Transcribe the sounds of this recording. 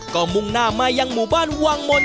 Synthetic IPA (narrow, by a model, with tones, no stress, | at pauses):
kɔː˧˩mu˧ŋnaː˧˩maː˧˩jːa˧ŋmuː˨˩baː˥˨nwaː˧ŋmo˧n